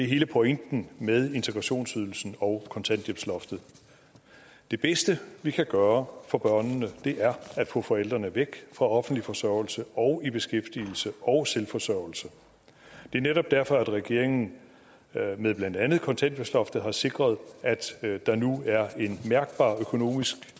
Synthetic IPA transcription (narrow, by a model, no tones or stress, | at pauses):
d̥e̝ɦe̝ːləpʰo̝eŋ̰d̥n̩með̞ˠe̝nt͡sʰeɡ̥ʁɑɕo̝̰ːnsyðˠl̩sn̩ɒ̽ʊkʰɒ̽nt͡sʰæn̰d̥jeb̥slɒ̽fd̥ð̩ˠ | d̥e̝b̥esd̥əʋikʰæɡ̥ɶːɐfɒ̽b̥ɶɐ̰nːəd̥e̝ʔæɐæd̥fɔ̰̽fɒ̽el̰d̥ʁɐnəʋeɡ̥fʁɑ̈ɒ̽fn̩d̥lifɒ̽sɶɐʊ̰l̩səɒ̽ʊib̥e̝sɡ̥efd̥il̩səʔɒ̽ʊselfɒ̽sœʊ̰l̩sə | d̥e̝æɐneɾɒ̽b̥d̥æɐfɒ̽æd̥ʁɛɡ̥e̝ɐe̝ŋn̩ | meðˠblænd̥ænð̩ˠkʰɒ̽nt͡sʰænd̥jeb̥slɒ̽fd̥ð̩ˠɦɑ̈se̝ɡ̥ʁɐð̞ˠæd̥d̥ɑ̈nuæɐe̝nmæɐɡ̥̚b̥ɑ̰̈ːøkʰo̝no̝̰ːmisɡ̥